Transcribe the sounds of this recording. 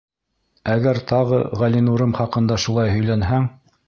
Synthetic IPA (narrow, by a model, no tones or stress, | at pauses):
æɡæɾt̪ʰɑʁɤ̰ʁælinuɾɤmχɑqɤ̆nd̪ɑʃulˠɑjɦɵ̆jlænɦæŋ